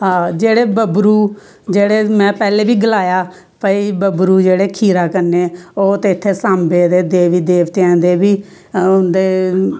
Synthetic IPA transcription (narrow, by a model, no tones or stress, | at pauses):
ɦãːd͡ʒeːɽeːbəbɾuː | d͡ʒeːɽeːmɛ̃ːpɛːleːbiːɡəlaːjaː | pəiːbəbɾuːd͡ʒeːɽeːkʰiːɾaːkəɾneːoːt̪eːɪt̪ʰːeːsaːmbeːd̪eːd̪eːʋiːd̪eːʋt̪eɛ̃ːnd̪eːbiː | ʊnd̪eː